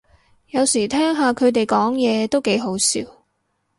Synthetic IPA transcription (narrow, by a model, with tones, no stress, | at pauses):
jɐ˨˧wsiː˨˩t̪ʰɛː˥ŋɦaː˨kʰɵ˨˧ɥt̪e˨jkɔː˨˥ŋjɛː˨˧t̪o˥wke˨˥jɦo˨˥wsḭː˧˥w